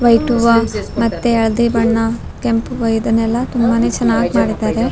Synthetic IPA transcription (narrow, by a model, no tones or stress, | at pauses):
ʋɐjʈuʋamɐt̪ːeɐɭɐd̪ibɐɳːɐ | kempuʋɐjid̪ɐnɛlːɐt̪umbɐne̞ːt͡ʃɐnːaːɡimaːɽid̪ːaːɾe̞